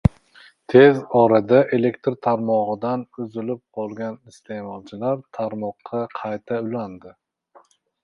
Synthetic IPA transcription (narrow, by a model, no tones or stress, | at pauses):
t̪ʰe̞zɒɾad̪aʔe̞le̞kʲt̪ɾt̪ʰaɾmɒʁɨd̪anʊzɪlɪp̚qʰɒlˠɡʲanɪst̪ʰe̞mɒlˠt͡ʃʰɪlaɾt̪ʰaɾmɒqʰːɑqʰɑjt̪ʰaʊland̪ɪ